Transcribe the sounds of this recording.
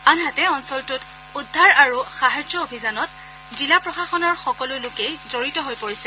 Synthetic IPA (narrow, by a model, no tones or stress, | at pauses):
anɦatɛɔnsɔltʊt | udʱːaɹaɹuxaɦad͡ʒɔobʱizanɔt̚ | zilapɹɔxaxɔnɔɹxɔkɔlʊlʊkejzoɹitɔɦojpoɹisɛ